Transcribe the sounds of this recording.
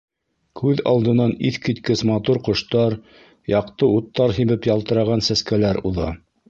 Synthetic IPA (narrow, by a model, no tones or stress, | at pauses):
kʰʉðɑ̰lˠd̪ɤ̆nɑniθkit̪kɘsmɑt̪uɾqŏʃt̪ɑɾ | jɑqt̪ɤut̪ːɑɾɦiβɘpjɑlˠt̪ɤ̆ɾɑʁɑnsæskælæɾuðɑ̰